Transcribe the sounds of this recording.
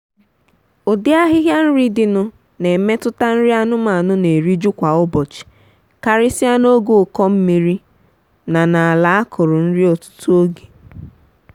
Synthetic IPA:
o˨dɪ˦a˦ɦɪ˦ɦja˦n̩˦ɾi˦dɪ˨nʊ˨ | ne˨me˦tʊ˦ta˦n̩˦ɾɪ˦a˦nʊ˦ma˨nʊ˦ne˨ɾi˦d͡ʒu˦kʷa˨ʊ˦bɔ˨t͡ʃɪ̥˨ | ka˦ɾɪ˦sɪ˦a˦no˦ɡo˨kɔ˦m̩˦mi˦ɾi˦ | na˨na˨a˨la˨˦a˦kʰʊ˨ɾʊ˨n̩˦ɾɪ˦ɔ˨tʊ̥˦tʊ˦o˦ɡe̥˨

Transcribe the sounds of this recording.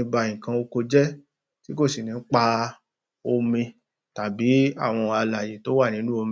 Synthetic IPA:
ĩ˧ba˧ĩ˨kã˧o˧ko˧d͡ʒɛ˦ | ti˦ko˦˨si˨nĩ˨˦k͡pa˧ | o˧mĩ˧ | ta˨bi˨˦a̰˦˨w̃ɔ̃˧a˧la˨je˨˦to˦wa˦˨nĩ˦nũ˦o˧m

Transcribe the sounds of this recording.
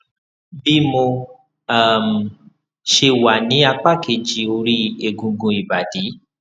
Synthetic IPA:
bi˦mo˧ | a˨m̩˨ | ʃe˧wa˨nĩ˨˦a˧k͡pa˦kʰe˧˨d͡ʒi˨˦o˧ɾi˦e˧ɡũ˧ɡũ˧i˨ba˨di˨˦

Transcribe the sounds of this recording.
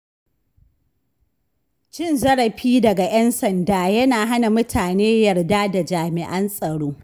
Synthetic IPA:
t͡ʃɪ˦˨nzɐ˦ɽɐ˨ɸiː˦dɐ˨ɡa˨jɐ˦nsɐ˨ndaː˨˦jɐ˦naː˨ɦa˦na˨mʊ˦tʰaː˨neː˦jɐ˨rdaː˦da˨d͡ʒaː˨mɪ˨ʔɐ˦nsʼɐ˨ɽoː˦

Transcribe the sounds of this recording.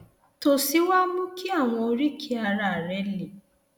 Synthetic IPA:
to˨si˨˦wa˦mũ˦ki˦a˦˨w̃ɔ̃˧o˧ɾi˦kʰi˦a˧ɾa˦˨ɾɛ˨˦li˨

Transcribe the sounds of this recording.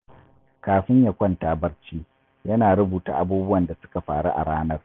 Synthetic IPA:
kaː˨ɸɪ˦ɲjɐ˨kʷɐ˦ntaː˦bɐ˦rt͡ʃiː˦ | jɐ˦naː˨ɽʊ˦buː˨ta̰ː˨ʔa˦buː˦bʊ˦wɐ˨nda˨sʊ̥˦ka˨ɸa̰ː˨ɽṵ˦ʔa̰˨ɽaː˦nɐ˦r

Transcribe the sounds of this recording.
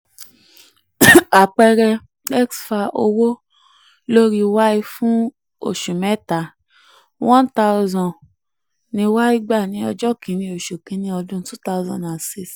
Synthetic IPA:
a˨k͡pɛ˧ɾɛ˧ | ɛ˦ksfa˧ʔo˧wo˦ | lo˦ɾi˧wa˦i˧fũ˦ | o̰˦˨ʃu˨mɛ˦ta˨ | wɔ̃˦nta˦u˦zɔ̃˧˨ | nĩ˧wa˦i˦ɡ͡ba˦˨nĩ˨˧˦ɔ˧d͡ʒɔ˦˨kĩ˨˦nĩ˧o˨ʃo˨kĩ˨˦nĩ˧˦ɔ˧dũ˦tu˦ta˦u˧˦zɔ̰̃˨a˨si˦˨s

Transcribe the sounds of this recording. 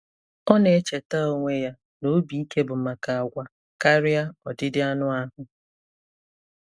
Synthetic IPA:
ɔ˦ne˨e˦t͡ʃe˨ta˦o˦ŋʷe˦ja˦ | no˨˦bi˨˦i˦ke˦bʊ˨ma˨ka˨a˨ɡʷa˨ | ka˦ɾɪ˦a˦ɔ˨dɪ˦dɪ˦a˦nʊ˦a˦ɦʊ˨

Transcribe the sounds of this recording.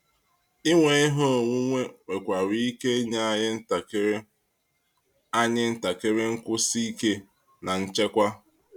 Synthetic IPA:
i˦ŋʷe˨ɪ˦ɦo˦o˨ŋʷu˦ŋʷe˦ŋʷe˨kʷa˨ɾi˦i˦ke˦ɲa˦a˦jɪ˦n̩˦ta˨ke˦ɾe˦ | a˦ɲɪ˦n̩˦ta˨ke˦ɾe˦ŋ̩˦kʷʊ˦si˦i˦ke˦ | na˨n̩˦t͡ʃe˦kʷa˦

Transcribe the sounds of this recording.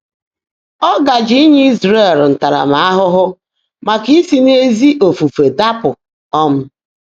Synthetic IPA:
ɔ˦ɡa˨d͡ʒi˦ɲi˦i˦zɾe˦˨ɾn̩˨ta˨ɾa̰˨ma˨˦a˦ɦʊ˦ɦʊ˦ | ma˨ki˦si˦ne˦zi˦ʔo˨fu˨fe˨da˦pʊ˨ | ɔ˦m̩˦

